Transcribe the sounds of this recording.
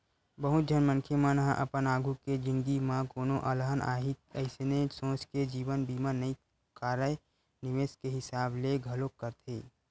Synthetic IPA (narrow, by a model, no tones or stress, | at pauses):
bəɦʊt̪̚d͡ʒʱənmə̃nkʰemãnəɦãʔəpənaːɡʱuked͡ʒɪ̃ŋɡimãkoːnoʔələɦəna̰ːɦiəɪsenesõːt͡ʃked͡ʒiːwənbiːmanəĩ | kaːɾəj | nɪʋeːskeɦɪsaːbleɡʱɐlokːəɾt̪ʰeː